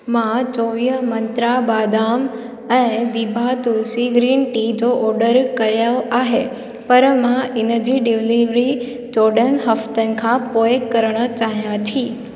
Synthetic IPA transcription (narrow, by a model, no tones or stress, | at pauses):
mãt͡ʃoʋijəmənt̪ɾabad̪am | əed̪ibʱat̪ulsiɡɾinʈid͡ʒoʔɔɾɖəɾkəjaʋaɦe | pəɾəmãinəd͡ʒiɖiʋliʋɾi | d͡ʒɔɖənɦəft̪əŋkʰãpojekːəɾɳət͡ʃaɦjãt̪ʰi